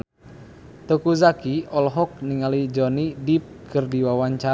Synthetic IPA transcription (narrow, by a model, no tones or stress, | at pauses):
t̪okuzakiɔlɦɔk̚niŋalid͡ʒɔnidip̚kʰɨrdiwawaɲt͡ʃa